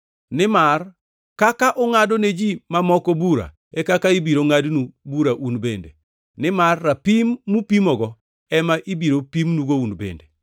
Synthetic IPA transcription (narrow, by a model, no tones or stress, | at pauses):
nɪmar | kakaʔɔŋadoned͡ʒimamɔkɔbuɾa̰ | ɛkakaibiɾoŋadnubuɾaʔunbendḛ | nɪmarːapimːupimɔɡɔ | ɛmaʔibiɾopimnuɡounbḛnde